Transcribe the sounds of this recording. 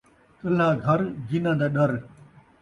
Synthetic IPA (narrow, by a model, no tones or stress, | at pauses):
kəl̤aːɡʱɐɾd͡ʑinãːd̪aːɗɐɾ